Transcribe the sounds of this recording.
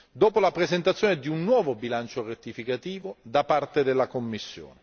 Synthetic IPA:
d̪oːpolapɾezent̪at̪sːjoːned̪iunːwɔːvobilant͡ʃoret̪ːifikat̪iːvod̪apart̪ed̪elːakomːisːjo̰ːne

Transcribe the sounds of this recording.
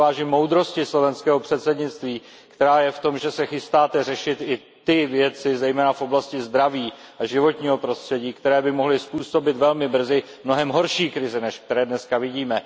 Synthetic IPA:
aːʒimo̞wd̪ɾo̞scɪslo̞vɛnskɛːɦo̞pr̥ɛt̪sɛdɲɪt͡st̪viː | kt̪ɛɾaːjɛft̪o̞mʒɛsɛxɪst̪aːt̪ɛr̝ɛʃɪt̪ɪ | t̪ɪvjɛt͡sɪzɛjmɛːnafo̞blascɪzd̪ɾaviː | ʔaʒɪvo̞t̪ɲiːɦo̞pɾo̞st̪r̥ɛɟiːkt̪ɛɾɛːbɪmo̞ɦlɪspuːso̞bɪt̪vɛlmɪbr̩zɪ | mno̞ɦɛmɦo̞ɾʃiːkɾɪzɛnɛʃk̚t̪ɛɾɛːdnɛskavɪɟiːmɛ

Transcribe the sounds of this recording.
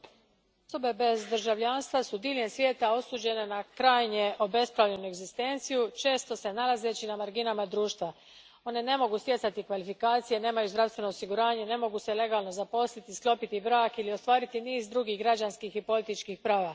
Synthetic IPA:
osobe̞be̞zd̪ɾ̩ʒaʋʎaːnst̪vʋasud̪iːlʲje̞nsʋʲje̞ːt̪ao̞suːd͡ʑe̞ne̞nakɾaːjɲeʔo̞be̞spɾaʋʎe̞nue̞ɡzist̪e̞ːnt̪sijut͡ʃe̞ːst̪o̞se̞nalˠaze̞t͡ɕinamaɾɡinamad̪ɾuːʃt̪ʋa | o̞ne̞ne̞mo̞ɡust̪je̞t̪sat̪ikʋalifikaːt̪sije̞ne̞ːmajuzd̪ɾavst̪ʋe̞no̞osiɡuɾaːɲe̞ne̞mo̞ɡuse̞le̞ɡaːlˠno̞zapo̞slit̪isklˠo̞pit̪ibɾaːkilio̞st̪ʋaːɾit̪iniːzd̪ɾuɡiːɣɡɾad͡ʑanskixipo̞lit̪it͡ʃkixpɾaːʋa

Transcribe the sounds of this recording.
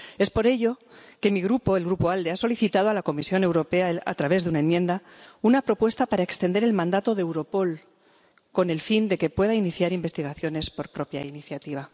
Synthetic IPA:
e̞spo̞ɾe̞ʎo̞ke̞miɣɾupo̞elɣɾupo̞ald̪easo̞liθit̪að̞oalako̞misjo̞ne̞wɾo̞pe̞aa̰t̪ɾaβe̞zðeunaemje̞nd̪a | unapɾo̞pwe̞st̪apaɾaekst̪end̪e̞ɾe̞lmãnd̪at̪o̞ðewɾo̞po̞l | ko̞ne̞lfind̪e̞ke̞pwe̞ðainiθjaɾimbest̪iɣaθjo̞ne̞spo̞ɾpɾo̞pja̰iniθjat̪iβ̞a

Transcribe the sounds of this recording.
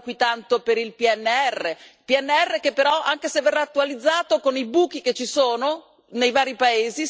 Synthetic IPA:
kwit̪ant̪opeɾilpiɛnːeɛrːepiɛnːeɛrːekepːeɾɔʔaŋkesevːerːaːt̪ːualid̪zːaːt̪okonibuːk̟iket͡ʃːisoːno | nejvaːɾipaeːzi

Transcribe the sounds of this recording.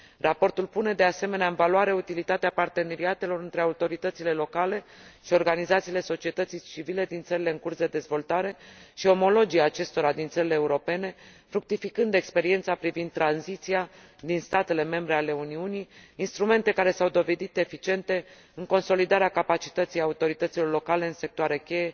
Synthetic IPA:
rapo̞rt̪ulpune̞d̪e̞ase̞me̞neaɨnvaluaɾe̞ut̪ilit̪at̪eapart̪e̞ne̞ɾiat̪e̞lo̞ɾɨnt̪ɾeaut̪o̞ɾit̪ət̪sile̞lo̞kale̞ʃio̞rɡanizat̪sile̞so̞t͡ʃie̞t̪ət̪sit͡ʃivile̞d̪int̪səɾile̞ɨŋkursd̪e̞d̪e̞zvo̞lt̪aɾe̞ʃio̞mo̞lo̞d͡ʒijaːt͡ʃe̞st̪o̞ɾad̪int̪səɾileːuɾo̞pe̞ne̞fɾuk̚t̪ifikɨnd̪e̞kspe̞ɾie̞nt̪sapɾivind̪̚tːɾanzit̪sia | d̪inst̪at̪e̞le̞me̞mbɾe̞ale̞uniuniːnst̪ɾume̞nt̪e̞kaɾe̞sawd̪o̞ve̞d̪it̪e̞fit͡ʃie̞nt̪e̞ | ɨŋko̞nso̞lid̪aɾeakapat͡ʃi̥t̪ət̪sijaut̪o̞ɾit̪ət̪silo̞rlo̞kale̞ɨnse̞k̚t̪oaɾe̞kʲe̞je̞

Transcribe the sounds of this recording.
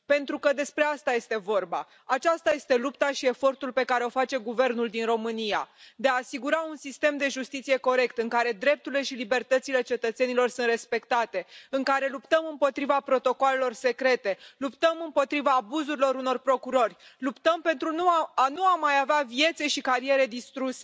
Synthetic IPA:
pe̞nt̪ɾukəd̪e̞spɾe̞ast̪aje̞st̪e̞vo̞rba̰ | at͡ʃast̪aje̞st̪e̞lupt̪aʃie̞fo̞rt̪ulpe̞kaɾe̞o̞fat͡ʃe̞ɡuve̞rnuld̪inro̞mɨnijad̪eaːsiɡuɾaunsist̪e̞md̪e̞ʒust̪it̪sije̞ko̞ɾe̞kt̪ɨŋkaɾe̞d̪ɾe̞p̚t̪uɾile̞ʃilibe̞rt̪ət̪sile̞t͡ʃe̞t̪ət̪se̞nilo̞rsuɨnt̪respe̞kt̪at̪e̞ɨŋkaɾe̞lupt̪əmɨmpo̞t̪ɾivapɾo̞t̪o̞koale̞lo̞rse̞kɾe̞t̪e̞lupt̪əmɨmpo̞t̪ɾivaːbuzuɾilo̞ɾuno̞rpɾo̞kuɾo̞rʲlupt̪əmpe̞nt̪ɾunuanuamajaveavie̞t̪seʃikaɾije̞ɾe̞d̪ist̪ɾuse

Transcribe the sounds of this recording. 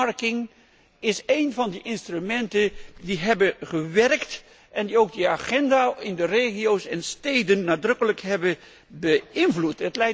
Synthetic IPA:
ɹkɪŋ | ɪsejnvɑndiʔɪnstrymɛntəndiɦɛbəχəʋɛrkt | ʔɛndiowɡ̚diaːχɛndaːɪndəreːχiowsɛnstejdənːaːdrɵkələkɦɛbə | bəɪnvlutətlɛj

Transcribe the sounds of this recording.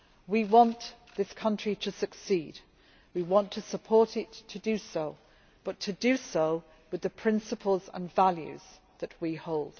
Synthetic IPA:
wiwɑ̃nʔðɪskʰʌ̃nt͡ʃɹ̥iɾʰɨsɨksid | wiwɑ̃ntʰɨsəpʰɔɹɾɪtʰɨdɨsoʊ | b̥ʌtʰɨdɨsoʊ | wɨðɨpʰɹ̥ɪ̃nsəpʰəl̩ˠzə̰̃nvaljʉ̰z̥ | ðɨʔ̚wihoʊlˠd̥

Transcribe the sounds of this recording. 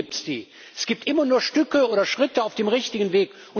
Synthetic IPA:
iːp̚tsd̥ḭː | ɛsɡ̥iːp̚tʔɪmɐnuːɐʃtʏkəʔoːɾɐʃʁ̥ɪtəaʊfd̥eːmʁɪçtɪɡn̩veːk | ʔʊn

